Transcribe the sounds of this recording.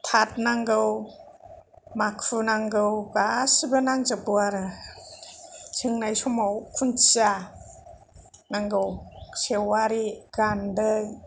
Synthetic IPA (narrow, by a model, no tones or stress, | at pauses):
tʰat̚naŋɡɯw | makʰunaŋɡɯwɡasɯbɯnaŋzɯbɯaɾɯ | sʰɯŋnajsɔmawkʰuna | naŋɡɯwsewaɾiɡandɯj